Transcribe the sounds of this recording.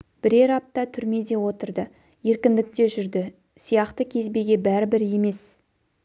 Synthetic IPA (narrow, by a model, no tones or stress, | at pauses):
b̥ɪɾe̞ɾɑp̚t̪ɑt̪ʰʏɾme̞d̪e̞wo̞t̪əɾd̪ə | je̞ɾkʲɪnd̪ɪk̚t̪e̞ʒʏɾd̪ɪ | sijɑqt̪əkʲʰe̞zbe̞ɡʲe̞bæɾɪbɪɾje̞me̞s